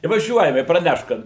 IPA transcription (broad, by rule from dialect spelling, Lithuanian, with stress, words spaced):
ɪ ʋɐˈʒʲuɔjɛm ɪ prɐˈnʲɛʃt ˈkɐt